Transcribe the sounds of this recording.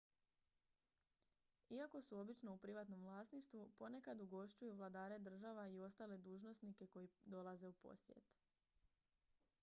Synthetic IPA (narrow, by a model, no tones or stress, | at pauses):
iako̞suo̞bit͡ʃno̞upɾiʋaːt̪no̞mʋlˠaːsniʃt̪ʋupo̞ne̞kad̪uɡo̞ʃt͡ɕujuʋlˠad̪aːɾe̞d̪r̩ʒaːʋaio̞st̪aːle̞d̪uːʒno̞snike̞ko̞jid̪o̞lˠaze̞upo̞̰sjḛt̪